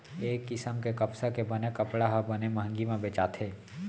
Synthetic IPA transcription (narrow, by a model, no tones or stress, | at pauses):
eːkːɪsəmkekɐpsakebɐnekɐpɽaɦɐbɐnemɦə̃ŋɡimẽbeːt͡ʃaːt̪ʰɦeː